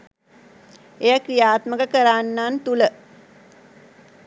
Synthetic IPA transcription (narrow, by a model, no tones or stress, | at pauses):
ejakrijaːt̪məkəkəɾaːnːant̪ulə